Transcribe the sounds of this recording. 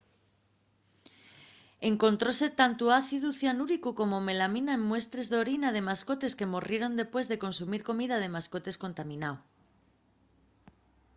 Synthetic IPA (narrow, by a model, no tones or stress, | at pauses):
eŋkõ̞nt̪ɾose̞t̪ant̪uaθiðuθjanuɾikukomome̞laminaemmwe̞st̪ɾezðo̞ɾinað̞emaskot̪e̞ske̞mo̞rje̞ɾo̞nd̪epwe̞zðeko̞nsumiɾko̞mið̞að̞emaskot̪e̞sko̞nt̪amĩnaw